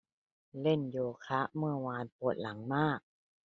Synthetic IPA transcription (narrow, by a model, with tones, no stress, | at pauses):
le˥˩njoː˧˩kʰa˦˥ʔmɯ˥˩əwaː˧npo˨˩t̪̚la˩˦ŋmaː˥˩k̚